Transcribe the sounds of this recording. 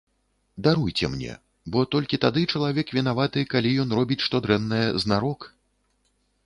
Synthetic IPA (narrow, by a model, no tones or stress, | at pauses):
d̪aɾujt͡sʲɛ̰mnʲɛ̰ | bɔt̪ɔlʲkʲit̪ad̪ɨt͡ʂɐlˠavʲɛkvʲin̪avat̪ɨkalʲijɔn̪rɔbʲit͡sʲʂt̪ɔd̪ɾɛnːɐjɛznaɾɔk